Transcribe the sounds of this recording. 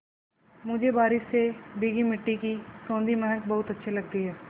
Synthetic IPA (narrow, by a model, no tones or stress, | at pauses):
mʊd͡ʒʱebaːɾɪʃsebiɡimɪʈːikisõːnd̪imɛɦək̚bɐɦʊt̪ɐtːʃʰelɐɡ̚t̪iɦɛː